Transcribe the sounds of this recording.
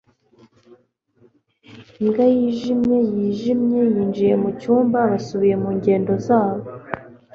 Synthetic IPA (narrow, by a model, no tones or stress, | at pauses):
iŋɡajiːʒimɲe̞jiːʒimɲe̞jiːnd͡ʒije̞mucuːmbaβasuβije̞muːɲɟe̞ːndo̞zaːβo̞